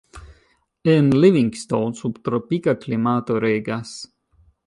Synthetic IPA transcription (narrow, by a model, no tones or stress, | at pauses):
ɛnlivĩŋɡst̪olsubt̪ɾɔpikaklimat̪oɾeɡas